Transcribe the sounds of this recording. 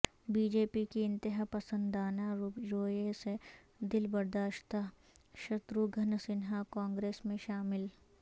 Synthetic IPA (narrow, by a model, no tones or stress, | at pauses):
biːd͡ʒeːpikiɪ̃nt̪ɪɦapɐsə̃nd̪aːnaɾuɾoːese | d̪ɪlbɐɾd̪aːʃt̪ʰa | ʃɐt̪ɾuɡʱɐnsɪnɦakãːŋɡɾeːsmẽʃaːmɪl